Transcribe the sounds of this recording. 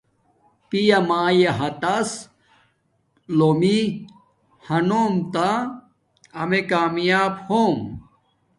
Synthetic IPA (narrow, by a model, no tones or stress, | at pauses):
pijɐmaːjeɦɐt̪ɐs | lomi | hɐnoːmt̪a | ɐmekaːmjaːbhoːm